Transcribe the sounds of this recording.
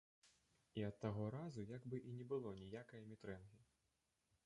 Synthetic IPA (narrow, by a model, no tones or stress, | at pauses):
iɐt̪ːaɣɔɾazujaɡbɨʔinʲɛbɨlˠɔnʲijakɐjɐmʲit̪ɾɛnɣʲi